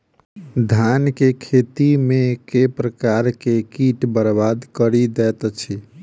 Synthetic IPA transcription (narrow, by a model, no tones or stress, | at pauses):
d̪ʱankekʰet̪imekepɾəkaɾkekiʈbəɾbad̪kəɾid̪ɛt̪t͡ʃʰi